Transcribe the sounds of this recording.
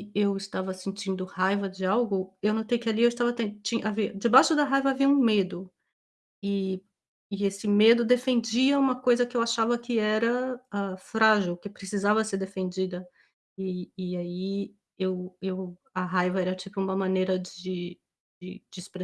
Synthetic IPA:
ewɪst̪avɐsẽnt͡ʃĩnd̪ʊhajvɐd͡ʒɪawɡʊewnot̪ejkɪaliewɪst̪avɐt̪ẽt͡ʃĩʔaviɐd͡ʒɪbaʃʊd̪ɐɦajvɐaviɐũmed̪ʊ | ɪ | ɪesɪmed̪ʊd̪efẽnd͡ʒiɐũmɐkojzɐkɪewaʃavɐkɪɛɾɐafɾaʒɪwkɪpɾɪsizavɐseɾd̪efẽnd͡ʒid̪ɐ | ɪːai | ewew | ɐɦajvɐɛɾɐt͡ʃipʊũmɐmɐ̃nejɾɐd͡ʒɪ | d͡ʒɪ̰d͡ʒɪɪspɾe

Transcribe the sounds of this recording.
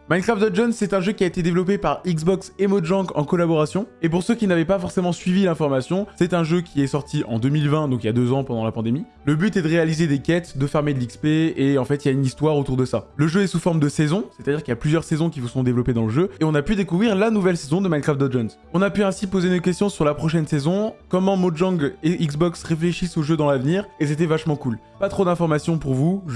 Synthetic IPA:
mankχafd̪ɔʒɔnsːɛt̪ɛ̃ʒøkʲiaet̪ed̪evlɔp̬epaʁikzbɔksemɔd̪ʒɑ̃ɡɑ̃kɔlabɔʁasjɔ̃epuʁsøkʲinavɛpafɔʁsemɑ̃sɥivilɛ̃fɔʁmasjɔ̃sɛt̪ɛ̃ʒøkʲʰiɛsɔʁt̪ʰiʔɑ̰̃d̪ømilvɛ̃d̪ɔ̃kiljad̪øzɑ̃pɑ̃d̪ɑ̃lapɑ̃d̪emi | ləbyt̪ɛd̪əʁealized̪ekɛt̪d̪əfɛʁmed̪əlikspeeɑ̃fɛt̪iljaynist̪waʁot̪uʁd̪əsaləʒøɛsufɔʁmd̪əsezɔ̃sɛt̪ad̪iʁkiljaplyzjœʁsezɔ̃k̬ʲivusɔ̃d̪evlɔped̪ɑ̃ləʒøeɔ̃napyd̪ekuvʁiʁlanuvɛlsezɔ̃d̪əmajnkχaft̪d̪ɔʒɔnz | ɔ̃napyɛ̃sipozenokʲɛst̪jɔ̃syʁlapχɔʃɛnsezɔ̃kɔmɑ̃moʒɔ̃ɡiksbɔksʁefleʃisoʒød̪ɑ̃lavniːʁes̬et̪ɛvaʃmɑ̃kul | pat̪χod̪ɛ̃fɔʁmasjɔ̃puʁvuʒ

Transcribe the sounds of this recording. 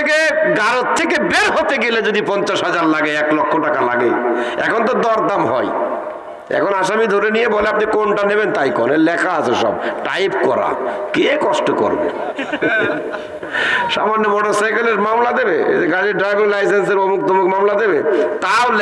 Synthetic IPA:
keɡaɾott̪ʰːekebeɾɦot̪eɡeled͡ʑod̪ipɔnt͡ɕaʃɦad͡ʑaɾlaɡeɛklɔkʰːoʈakalaɡejɛ̰kʰont̪̬od̪ɔɾd̪amɦɔ̰j | ɛ̰kʰonaʃamid̪ʱoɾenijeboleapnikonʈanebent̪ajko̰nelɛkʰaat͡ɕʰeʃɔ̰bʈa̰jpkɔɾa̰kekɔʃʈoko̰ɾbo̰ | ʃa̰manːomoɖaɾsajkeleɾmamlad̪ebḛeɡaɾiɖɾajbiŋlajsenseɾomukt̪ʰomokmamlad̪ebet̪aol

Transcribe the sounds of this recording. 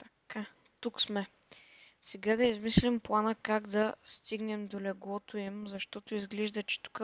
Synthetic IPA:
t̪ɐ̥ka | t̪uksmɛ | sɛɡad̪ɐizmislimplˠanəkaɡd̪ɐst̪iɡnɛmd̪olɛɡlˠɔt̪ʊimzɐʃt̪ɔt̪ʊizɡlɛʒd̪ɐt͡ʃɛ̥t̪u̥kə

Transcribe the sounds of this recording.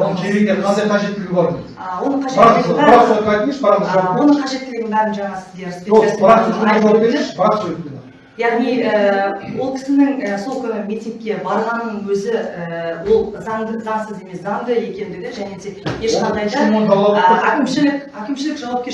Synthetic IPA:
nəŋkʲʰeɾeɡneqʰɑnd̪ɑjqʰɑʒet̪ːɪlɡʲbɑɾd̪ə̥ | wo̞nəɴqʰɑʒeæspɑjt̪əməʃbɑɾəswo̞nəɴqʰɑʒe̞t̪ːɪlɪɡʲɪŋbæɾɪnʒɑɴɑsɪzd̪eɾspʲeoesʲ | eeʃbɑɾsewep̚pʲen | jɑʁnijəwo̞lˠkʲʰɪ̥sɪnɪŋəso̞lˠkʲʰʏnɪmʲit̪ʲiŋk̚ʲːe̞bɑɾʁɑnːəɴwɵzɪəwo̞lˠzɑɴd̪əzɑɴsəze̞me̞sɑɴd̪əe̞kʲe̞nd̪ɪɡʲɪʒæne̞d̪e̞jeʃqʰɑnd̪ɑjd̪ɑont̪ʰɑblˠɑækʲɪmʃɪlɪkækʲɪmʃɪlɪkʒɑwɑp̚kʲe

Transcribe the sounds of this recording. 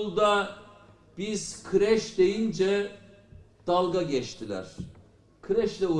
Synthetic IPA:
lˠd̪a | b̥iz̥kʰɯɾɛʃd̪ejind͡ʒɛ | d̪̥alˠɡaɟɛt͡ʃt̪ʰilʲæ̰ɾ̥ | kʰɯɾɛʃlʲɛu

